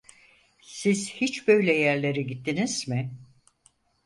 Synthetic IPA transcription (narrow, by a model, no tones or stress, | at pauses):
ssiz̥hit͡ʃbø̞jlʲɛjæɾlʲe̞ɾiɟit̪ʰːiniz̥mɪ